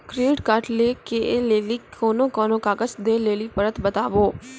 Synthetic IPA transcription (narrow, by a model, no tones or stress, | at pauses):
kɾeːʈkaɾʈleːkeleːliːkʰoːnõːkoːnõːkaːɡət͡ʃd̪eːleːliːpəɾət̪bət̪aːʋoː